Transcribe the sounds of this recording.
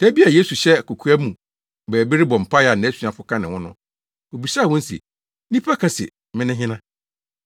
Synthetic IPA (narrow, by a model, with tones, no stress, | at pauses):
tʰæ˦bi˦a˨je˦su˨ɕɛ˦˨kʰo˨kʰu˦æ˦mũ˨ | bɛː˨bi˦ɾɪ˦bɔ̃˨m̩˨pʰa˦ja˨ñ˨æ˦su˨ã˨fʊ˦kʰã˦nɪ̃˨wɔ̃˦nʊ̃˦ | o˨bi˨sa˦˨wɔ̃˦n̩˦sḛ˨ | nĩ˦pʰa˦kʰa˦sɪ̰˨ | mɪ̃˦nɪ̃˦ɦɪ̃˦nã˦